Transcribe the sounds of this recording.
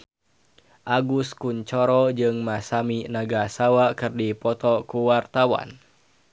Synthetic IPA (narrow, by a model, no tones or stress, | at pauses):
ʔaɡuskuɲt͡ʃɔɾɔd͡ʒɨŋmasaminaɡasawakɨrdipɔt̪ɔkuwart̪awa̰n